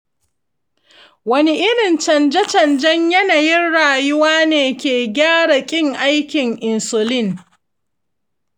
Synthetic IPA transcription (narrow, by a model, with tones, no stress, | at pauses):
wɐ˦ni˦ʔɪ˦ɽɪ˨nt͡ʃɐ˨nd͡ʒɛ˦t͡ʃɐ˨nd͡ʒɐ˦ɲjɐ˦na˨jɪ˦nɽaː˨jʊ˦waː˦neː˨kʲeː˨ɡʲaː˦ɽa˨kʲʼɪ˦ŋʔa˦jkʲɪ˨ŋʔɪ˨nsʊ˨lɪ˦˨n